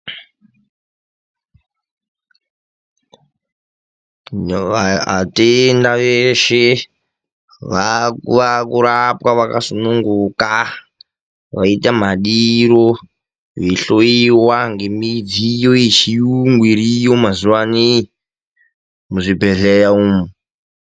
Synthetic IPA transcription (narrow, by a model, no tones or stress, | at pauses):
aa̰tendaʋeʃe | ʋakuʋakuɾapwaʋakasunuŋɡuka | ʋaitam̤aɗiɾo | βiɬoiwaŋɡemid͡zijoit͡ʃijuŋɡwiɾijomazuwani | muʐibʱeɮejauːmu